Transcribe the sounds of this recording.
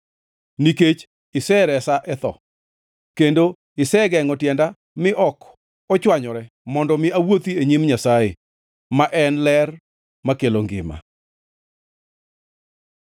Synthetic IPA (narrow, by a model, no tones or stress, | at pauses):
niket͡ʃ | ɪsɛɾɛsaʔɛt̪ɔ̰ | kendo | ɪsɛɡɛŋɔtjɛnda | mɪʔɔk | ɔt͡ʃwaɲɔɾɛ | mɔndɔmɪawot̪ieɲimɲasaje | maʔɛnlɛr | makeloŋɡɪ̰ma̰